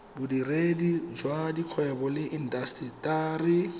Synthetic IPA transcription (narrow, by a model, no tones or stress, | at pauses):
bʊdiredid͡ʒwadiq͡χʰwɛbɔlɪʔin̩dastritaːrɪ